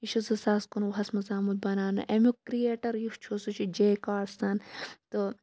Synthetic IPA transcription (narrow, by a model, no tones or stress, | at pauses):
iʃusɐsaːskunwɦɐsmɐzaːmud̪̚bɐnaːnɐ̰ʔemʲukɾieːʈɐɾjuht͡ʃʰosut͡ʃʰid͡ʒeːkaːɾsɐnt̪ɨ